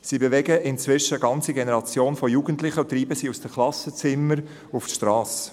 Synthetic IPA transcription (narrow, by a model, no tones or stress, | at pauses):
siːbeʋɛɡəɪnt͡sʋɪʃəɡɑnt͡siɡenɛɾɑt͡sjoːnfɔjuɡ̥əntlɪχəʊt̪ɾiːbəsiːusd̥əklɑsət͡sɪməɾ | uftʃtɾɑːs